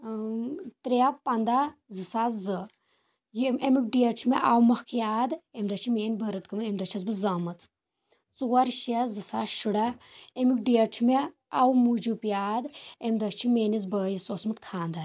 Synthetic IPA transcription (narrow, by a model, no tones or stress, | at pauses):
t̪ɾeapɐnd̪azɨsazɨ | jiemik̚ɖijɐt͡ʃʰumeʔawmɐhkʰjaːd̪emd̪ɐt͡ʃʰimeːnbɐɾɨt̪kɨmemd̪ɐt͡ʃʰɐs̬bɨzɐmɐt͡s | t͡suwɐɾʃɐzɨsaːʃuɽɐemik̚ɖijɐt͡ʃʰume | ɐwmud͡ʒupjaːd̪emd̪ɐt͡ʃʰimeːnizbəːjisoːsmɨt̪kʰaːnd̪ɐ